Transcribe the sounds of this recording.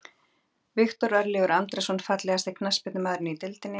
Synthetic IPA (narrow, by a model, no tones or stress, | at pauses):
vɪxt̪ɔɾœɾlɪːɣʏɾant̪ɾɛsɔnfat̪lɛɣast̪ɪkʰnaspɪt̪nɪmaːðɾɪnʏit̪ɪlt̪ɪnːɪ